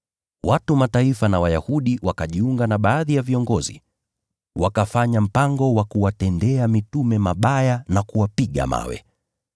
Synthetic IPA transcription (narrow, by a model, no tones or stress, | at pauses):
watumataifanawajahuɗiwakaʄiuŋɡanaɓaːðijaviɔŋɡɔzḭ | wakafaɲam̩paŋɡɔwakuwatɛndɛamitumɛmaɓajanakuwapiɠa̰ma̰wɛ̰